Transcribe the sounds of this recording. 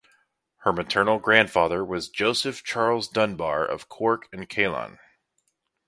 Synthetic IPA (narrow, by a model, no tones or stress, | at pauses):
hə˞mɨtʰɜ˞nl̩ˠɡɹæ̃nd̥fɑðə˞wʌzd͡ʒoʊsɨft͡ʃʰɑɹlˠzdʌ̃nbɑɹʔʌ̰v̥kʰɔɹkʰɨ̃nkʰeɪlˠɑ̰̃n